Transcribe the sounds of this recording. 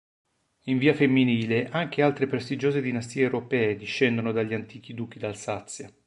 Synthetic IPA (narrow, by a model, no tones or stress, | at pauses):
iɱviːafemːiniːleʔaŋk̟ealt̪ɾepɾest̪id͡ʒoːzed̪inast̪iːewɾopɛːed̪iʃːɛnd̪onod̪aʎːiant̪iːk̟id̪uːk̟id̪alsat̪sːja